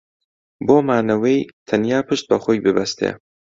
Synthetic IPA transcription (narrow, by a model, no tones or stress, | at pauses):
boːmaːnɐwejt̪ʰɐnjaːpʰɨʃt̪̚bɐxoːjbɨbɐst̪ʰḛː